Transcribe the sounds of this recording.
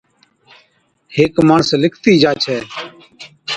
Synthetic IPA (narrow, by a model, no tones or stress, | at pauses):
heːkmaːɳslɪkʰt̪iːd͡ʒaːt͡ʃʰɛː